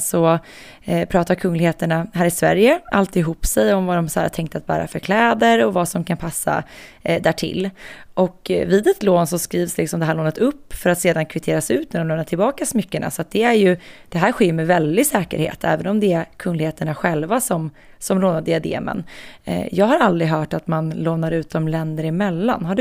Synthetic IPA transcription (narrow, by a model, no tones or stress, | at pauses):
sɔ | pʰɾɑːt̪aɾkʰɵŋːlɪɡheːt̪əɳaɦæːɾɪsvæ̰ɾjəʔa̰lt̪ɪɦuːpsɛjɔmvad̪ɔmsæ̰ːɾa̰t̪ʰɛŋk̚t̪at̪̚bæ̰ːɾa̰fœɾkʰlɛːd̪əɾɔvasɔmkʰanpʰasːa̰d̪æːʈʰɪ̰lːʔɔkviːd̪ɛt̪loːnsɔskɾiːvslɪksɔmd̪ɛɦæːɭoːnət̪ʰɵpːfœɾat̪seːd̪ankʰvɪt̪ʰeːɾasɛʉ̟ːt̪̚næɖɔmlɛmnaʈʰɪlbɑːkasɔmʏkːəɳa̰sɔat̪̚d̪ɛæɾjɵd̪̥ɛɦæːɾɧeːɾmɛvɛld̪ɪɡsɛːkə̰ɾhḛːt̪ʰɛ̰ːvənɔmd̪ɛækʰɵnlɪheːt̪əɳaɧɛlvasɔm | sɔmloːnad̪ɪad̪ḛːmə̰n̰jɑːɡɦaɾald̪ɾɪɦœːʈat̪manloːnaɾʉ̟ːt̪̚d̪ɔmlɛnd̪əɾɪmɛlːa̰nɦaɖɵ